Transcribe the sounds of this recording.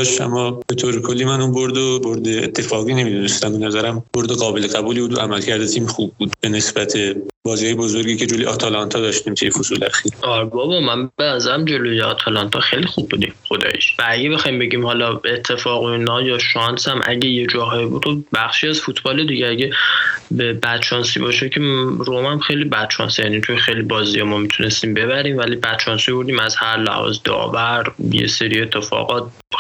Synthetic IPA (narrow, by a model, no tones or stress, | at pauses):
ʃæ̰mːɒb̥e̞t̪ʰoːɾekʰolːiːmænunboɾd̪oboɾd̪ḛːt̪ʰːefɒːɣiːne̞mid̪unest̪æmbe̞næzæɾæmboɾd̪eɣɒːbe̞leɣæbuːliːbuːd̪oʔæmælcʰæɾd̪et̪ʰiːmxubːuːd̪be̞ne̞sbæt̪ʰebɒːziːhɒːjebozoɾɡiːcʰed͡ʒoliʔɒːt̪ʰɒlɒnt̪ʰɒːd̪ɒːʃt̪iːmt̪ʰujefozuːleæxiɾɒɾbɒːbɒmænbenæzæɾæmd͡ʒolojeɒ̰t̪ʰælɒnt̪ʰɒxejlixubːud̪ḭmxod̪ɒ̰ːjḭʃvææɟebexɒːjimbe̞ɟiːmhɒlɒe̞t̪ʰːe̞fɒːɣoinɒjɒːʃɒnsæmʔæ̰ɟejed͡ʒɒːɦɒibuːd̪χobbæxʃiːæzfut̪ʰbɒːled̪iːɟeæɟebebæd̪̥t͡ʃʰɒːnsḭbɒʃecʰeromæmxejlibæd̪̥t͡ʃʰɒ̰ːnsejænit̪ʰujexejlibɒːziemɔmit̪ʰune̞st̪iːmbe̞βæɾiːmvælibæd̪̥̚t͡ʃʰɒːnsiboɾd̪iːmæzhæɾlæ̰hɒ̰ːzed̪ɒ̰ːvæɾjḛseɾie̞t̪ʰːe̞fɒ̰ːɣɒt̪̚